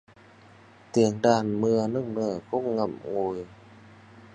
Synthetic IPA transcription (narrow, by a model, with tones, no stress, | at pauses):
t̪i˨˩ənɗaː˨˩nmɨ˧ənɨ˦˥əŋ̚nɨ˧˩kʊ̰˧˥ŋ͡mŋa˧˨˩m̚ŋu˨˩j